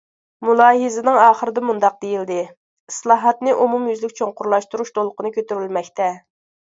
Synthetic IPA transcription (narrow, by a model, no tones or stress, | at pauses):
mulˠɑːɦɨzɪnɨŋɑːχəɾɨd̪ɑmund̪ɑq̚d̪ejild̪ɪ | islˠɑːɦɑt̪nɨʔumumjyzlɪkʲt͡ʃʰoŋqʊɾlˠɑʃt̪uɾuʃt̪ʰolˠəqənɨkʲʰøt̪yɾylmɛkʲt̪ʰɛ